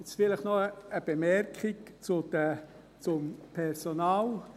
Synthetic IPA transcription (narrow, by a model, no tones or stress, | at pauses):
ɪt͡sfɪləχnɔəəb̥emɛɾkʰɪkt͡sʊd̪ə | t͡sʊmpʰɛɾsonaːl